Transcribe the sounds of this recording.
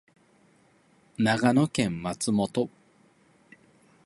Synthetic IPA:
naɡanokẽ̞mmat͡sɨmot̪o

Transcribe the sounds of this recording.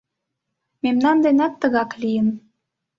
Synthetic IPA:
memnɑnd̪enæt̪ːəɣɑklijə̆n

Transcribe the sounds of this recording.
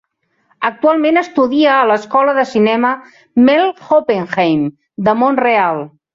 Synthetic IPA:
ək̚t̪ualˠmenəst̪uðiəːləskɔləðəsinɛmə | melˠxopeŋxejm | d̪əmonrealˠ

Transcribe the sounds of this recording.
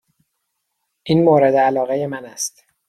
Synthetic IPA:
ʔiːnmoːɾed̪eælɒːɣejemænæst̪

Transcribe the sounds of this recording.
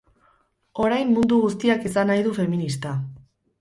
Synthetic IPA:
o̞ɾajmːund̪uɣust̪iakisanajðufe̞minist̪a

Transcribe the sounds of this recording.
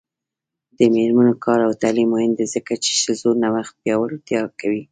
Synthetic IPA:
d̪̥əmeɾmanokɑɾawt̪alimːohɪnd̪ezəkat͡ʃe̥ʃəzoɾnawaxt̪̚pjɑwəlot̪jɑkawi

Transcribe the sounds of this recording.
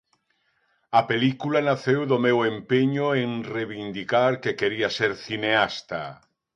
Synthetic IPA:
apelikulanaθewðomewempeɲoeŋreβind̪ikaɾkekeɾiaseɾθineast̪a̰

